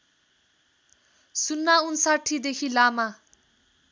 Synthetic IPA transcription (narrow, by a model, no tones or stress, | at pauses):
sunːaunsaʈʰːid̪ekʰilama